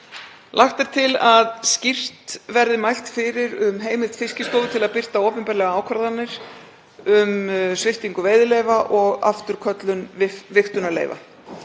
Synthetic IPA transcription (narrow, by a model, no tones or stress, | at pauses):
lʔaxt̪ɛɾ̥t̪ʰɪlaðscir̥t̪vɛɾðɪmajl̥t̪fɪɾɪɾʏmɦeːjmɪlt̪fɪscɪst̪oːwðʏt̪ʰɪlaðpɪr̥t̪aoːpɛmpɛɾlɛɣaaːwkʰvaɾðanːɪɾ̥ | ʏmsvɪr̥t̪iŋkʏveːjðɪleːjvaʔɔɣa̰ft̪ʏɾ̥kʰœt̪lʏnvvɪxt̪ʏnalḛːjva̰